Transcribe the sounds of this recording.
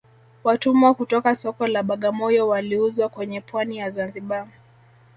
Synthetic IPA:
watumakutɔkasɔkɔlaɓaɠamɔjɔwaliuzwakwɛɲɛpwanijazanziɓa

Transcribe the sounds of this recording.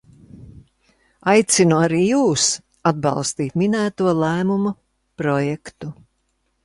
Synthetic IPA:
ajt̪sinuaɾiːjuːs | ad̪̚bɑ̰lˠst̪iːt̪minæːt̪uɔlˠæːmumɐ | pɾɔjɛkt̪u

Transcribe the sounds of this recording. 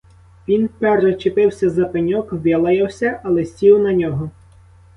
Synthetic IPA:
ʋʲinpɛrʒɛt͡ʃepɪwsʲɐzɐpenʲɔkʋʲjɐlˠɐjɐwsʲɐʔɐlˠesʲtʲiwnɐnʲɔɦɔ

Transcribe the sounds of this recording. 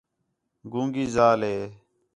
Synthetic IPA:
ɡũːŋɡiːzaːlɦeː

